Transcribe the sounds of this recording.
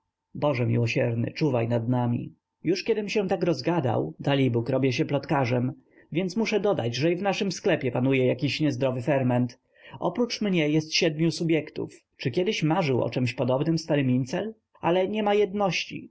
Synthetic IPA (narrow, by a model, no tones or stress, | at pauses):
bɔʐɛmʲḭwɔɕɛɾnɘ̰t͡ʂuvajnad̪namʲḭ | juʂkʲɛd̪ɘmɕɛ̃t̪akɾɔzɡad̪a̰wd̪alʲibukɾɔbʲjɛɕ̬ɛplɔt̪kaʐɛm | vʲjɛntsmuʂɛd̪ɔd̪ad͡ʑʐɛivnaʂɘmsklɛpʲjɛpanujɛjakʲiɕɲɛzd̪ɾɔvɘfɛɾmɛnt̪ | ɔ̰pɾut͡ʂmɲɛjɛst̪ɕɛd̪̚mʲjusubʲjɛkt̪ṵf | t͡ʂɘkʲjɛd̪ɘɕmaʐɘwɔ̰t͡ʂɛmɕpɔd̪ɔbnɘmst̪aɾɘmʲint̪sɛl | alɛɲɛmajɛd̪nɔɕt͡ɕḭ